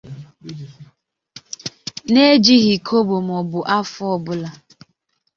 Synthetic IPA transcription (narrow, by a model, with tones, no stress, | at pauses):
ne˦d͡ʒi˦ɣi˨kʰo˦bo˨m̩˨ɔ˨bʊ˨ʔa˦fɔ˦bʊ˦la˨